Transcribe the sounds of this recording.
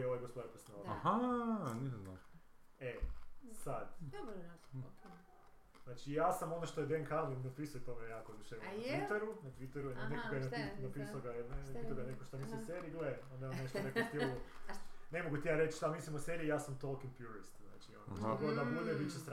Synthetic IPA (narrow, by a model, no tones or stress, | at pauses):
eoʋajɡospod̪apɾesnaohanisana | esad̪ | znaːt͡ʃijaːsamo̞noʃt̪oed̪enkʰalinapisujet̪omeejaːkod̪uʃeʋnat̪it̪eɾunat̪ʋit̪eɾuanekoɡajenainapisaoɡannait̪oɡanekoʃt̪amislʲiosseːɾiːleond̪mneʃt̪onekost̪ioonemoɡut̪ijaːɾet͡ʃʃt̪amislimoseɾiːjaːsamt̪olˠkinpjuɾist̪zna̰ːt͡ʃionɡod̪amjud̪ebit͡ʃest̪ɾ